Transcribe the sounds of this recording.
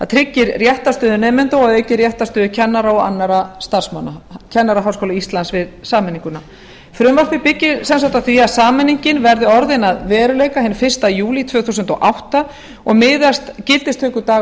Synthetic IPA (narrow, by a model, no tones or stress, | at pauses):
θaðt̪ʰɾɪcːɪɾrjɛht̪ast̪œːðʏnɛmɪnt̪owaðecːɪrjɛht̪ast̪œːðʏcʰɛnːaɾaɔɣa̰nːaɾast̪ar̥smanːacʰɛnːaɾaɦawskowlaist̪lansvɪðsaːmɛniŋkʏna | fɾʏmvaɾ̥pɪpɪcːɪɾsɛns̬awht̪awθiasaːmɛnːiɲcɪnvɛɾðʏɔɾðɪnaðvɛːɾʏleːjkaɦɛnfɪr̥st̪ajuːlit̪ʰv̥œːθusʏnt̪ɔ̰ʔawht̪a | ɔɣmɪːðast̪cɪlt̪ɪst̪ʰːœːkʏt̪aː